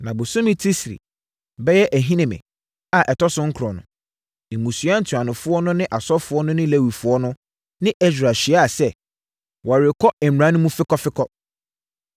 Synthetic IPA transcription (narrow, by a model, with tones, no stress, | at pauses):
nã˨bʊ˨sõ˦mĩ˦tʰi˦sɾḭ˨ | bɛ˦jɛ˦ʔæ˨ɦĩ˦nɪ̃˨mɪ̰̃˨ | a˦˨ʔɛ˨tʰɔ˦sʊ̃˦ŋ̩˦kʰɾɔ˨nʊ̰̃˨ | ẽ˨mũ˨sɥa˦n̩˨tʰɥã˨nʊ̃˨fʊ˦ɔ˦nʊ̃˦nɪ̃˦ʔa˨sɔ˦fʊ˦ɔ˦nʊ̃˦nɪ̃˦le˦wi˨fʊ˨˦ɔ˦nʊ̃˦ | nɪ̃˦ʔɛ˦sᶣɾa˨ɕi˨a˦a˨sɛ˦ | wa˨ɾɪ˨kʰɔ˦ɛ˨m˨ɾã˨˦nʊ̃˦mũ˦fɪ˦kɔ˦fɪ˦kʰɔ˦